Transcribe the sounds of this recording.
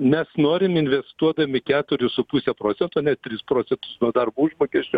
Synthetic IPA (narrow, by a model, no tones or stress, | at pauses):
mʲɛsnoːɾʲɪmɪnʲʋʲɛst̪uɔd̪ɐmʲɪkʲæːt̪ʊɾʲɪsʊpʊsʲɛpɾoːt͡s̪ʲɛnt̪ʊnʲɛt̪̚tʲɾʲiːspɾoːt͡ssʲɛnt̪ʊsnuɔd̪ɐrbʊʒmoːkʲɛsʲt͡ʃʲʊ